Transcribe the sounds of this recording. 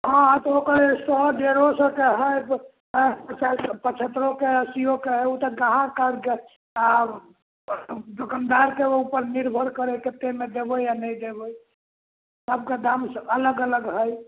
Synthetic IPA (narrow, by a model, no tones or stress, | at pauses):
ɦãt̪ɔokəɾesɔd̪eɾosə̃keɦəjb | pt͡ʃpət͡ʃʰət̪ɾokeəsijokeɦəjut̪əɡãɦãkaɾke | a | d̪ʱokənd̪aɾkeupəɾniɾbʱəɾkəɾeket̪emed̪ebəjanəjd̪ebəj | səb̚ked̪amsələɡələɡɦəj